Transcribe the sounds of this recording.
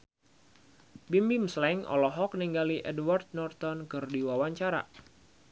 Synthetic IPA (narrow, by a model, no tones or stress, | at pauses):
bimbiŋslɛŋɔ̰lɔɦɔk̚niŋɡaliʔɛdwart̪̚nɔrt̪ɔnkɨrdiwawaɲt͡ʃaɾa̰